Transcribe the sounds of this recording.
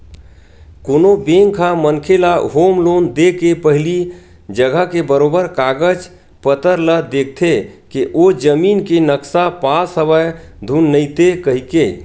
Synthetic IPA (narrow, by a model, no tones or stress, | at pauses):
konobeŋkʰãmənkʰelaɦomlond̪ekepəɦli | d͡ʒəɡəkebəɾobəɾkaɡəd͡ʒ | pət̪əɾləd̪ek̚ʰt̪ʰekeʔod͡ʒəminkenəksapasəbəjd̪ʱunːəɪt̪ekəɦike